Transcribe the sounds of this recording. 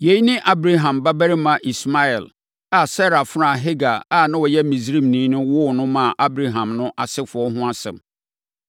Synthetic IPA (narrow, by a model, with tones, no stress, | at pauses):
je˨˦ji˦nɪ̃˦ʔa˦bɾa˦ɦã˨mba˦bæ˦ɾɪ˦mã˨ʔi˨sma˦ɛ˨l | a˨sɛ˦ɾa˨fɾã˨ɦe˦ɡa˨a˦˨nã˦wɔ˨jɛ˦mĩ˨sɾĩ˦˨mnĩː˨˦nʊ̃˦wʊ˦˨nʊ̃˦mã˨ʔa˦bɾa˨ɦã˨mnʊ̃˦ʔa˨sɪ˦fʊ˨ɔ˦ɦʊ̃˦a˦sɛ̰̃˨m